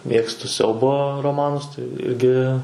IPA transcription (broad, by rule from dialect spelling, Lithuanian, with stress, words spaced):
ˈmʲeːkstʊ ˈsʲɛʊboː roːˈmɑːnʊs tɐɪ ˈɪrʲɡʲɪ